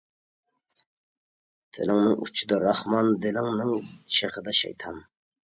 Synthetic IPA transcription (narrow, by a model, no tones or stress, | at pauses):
t̪ʰḛlɪŋnɨŋṵt͡ʃʰid̪ɑɾɑhmɑnd̪ɪlɪŋnɨŋʃeχəd̪ɑʃɛ̰jt̪ʰɑn